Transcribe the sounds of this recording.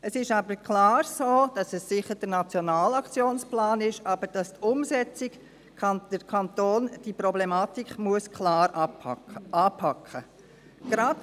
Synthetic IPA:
əsɪʃɑːbəɾkʰlɑːɾsoːd̥ɑsəsːɪχəɾd̥ənɑt͡sjɔnaːlɑkt͡sjoːnsplaːnɪʃɑːbəɾd̥ɑstʊmsɛt͡sɪɡʰ | ɑd̥əkʰɑnt̪oːnd̥ipɾɔblɛmaːt̪ikmuəskʰlaːɾ | ɑːpʰɑkχə | ɡ̥ɾɑd

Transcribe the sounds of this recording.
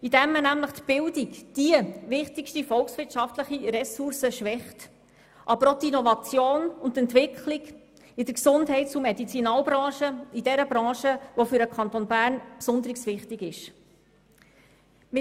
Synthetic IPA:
idɛmːənæmləχt̪b̥ɪldikd̥iəvɪχtikʃtifɔlksʋɪɾtʃɑftləχiɾɛsuɾsəʃʋɛχt | ʔɑbəɾot̪inɔvɑt͡sjoːnʊntɛntʋɪkχlɪɡ | ɪd̥̪əksʊndɦɛɪt̚t͡sumɛdit͡sinɑːlbɾɑ̃ːʃəidɛɾəbɾɑ̃ːʃəʋofʏɾəkʰɑnt̪onbæːɾnpsʊnd̪əɾiksʋɪχtɪɡɪʃ | mɪ

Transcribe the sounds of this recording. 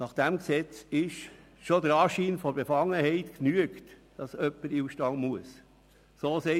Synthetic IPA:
nɑχd̥æmksɛt͡sɪʃ | ʃod̪əɾɑːʃiːnfɔɾbefɑŋːəhɛɪtknyəktd̥ɑsœpːəɾiuʃtɑŋmuəs | soːsɛɪ

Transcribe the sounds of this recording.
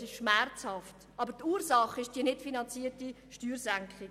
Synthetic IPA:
sɪʃʃmɛrt͡shɑft | ɑbəɾtuːɾsɑχːɪʃd̥iənɪtfinɑnt͡siəti | ʃtyːɾsæŋkχɪ

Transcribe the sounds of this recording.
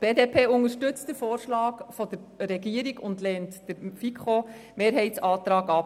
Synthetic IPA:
b̥eːdeːpʰeːʊŋəʃtʏt͡std̥əfoːɾʃlɑːkfɔd̥əɾɾɛɡiəɾiɡʊndlɛːntd̥əɾfikχomeːɾɦɛɪt͡sɑːt̪ɾɑːɡɑp

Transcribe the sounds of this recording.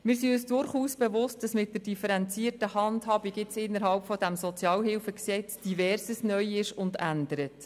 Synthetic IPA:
mɪːɾsiøsd̥ʊɾχuːsb̥evʊst̚d̥ɑsmɪt̚dərd̥ifəɾɛnt͡siːərtəhɑndhɑbiɡɪt͡sɪnːəɾɦɑlpfɔd̥æmsɔt͡sjɑːlɦɪlfəksɛt͡sd̥ivɛrsəsnœjɪʃʊndændəɾət

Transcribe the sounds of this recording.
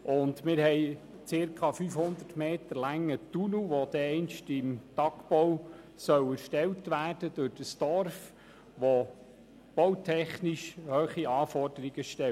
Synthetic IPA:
ʊndmɪɾhɛɪ | t͡sɪɾkʰɑfyːfhʊnd̪ətmeːtəɾlæŋət̪unuʋod̪ɛɛɪnʃtɪmtɑkpɔw | sœwæɾʃtɛwtʋæːrd̥əd̥ʊɾd̥əsd̥ɔɾf | ʋo | b̥ɔwtʰɛχniʃhøːχiʔɑːfɔrd̥əɾiɡ̥əʃtɛ

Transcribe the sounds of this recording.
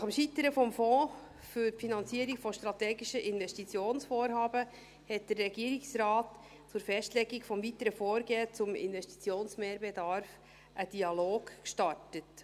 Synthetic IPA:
nɑχəmʃitəɾəfɔmfɔ̃ː | fyɾfinɑnt͡siəɾikfɔʃtɾɑtɛːɡiʃəʔɪnvɛstit͡sjoːnsfoːɾɦɑːbə | hɛt̚d̥ərːɛɡiəɾiksɾɑːt | t͡sʊɾfɛstlɛɡikfɔmvitəɾəfoːɾɡeːt͡sʊmɪ̰nvɛʃti̥t͡sjoːnsmeːɾbɛdɑɾf | ʔəd̥iɑloːɡkʃtɑrtət

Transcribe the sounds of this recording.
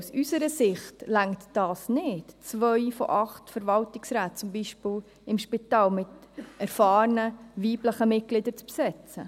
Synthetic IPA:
usysəɾəsɪχtlæŋtd̥ɑːsnɪtt͡svœjfɔ̰ʔɑχtfəɾvɑltɪksɾæːt̚t͡sʊmbiːʃpɪl | ɪmʃpɪtɑːlmɪtɛɾfɑːɾnəviːbləχəmɪt̚ɡ̥lɪdəɾt͡spsɛt͡sə

